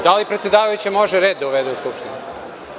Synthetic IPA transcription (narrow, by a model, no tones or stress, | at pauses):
d̪alipɾet̪sjed̪aːʋajut͡ɕe̞mo̞ʒeɾe̞ːd̪d̪ːauʋed̪euskupʃt̪inu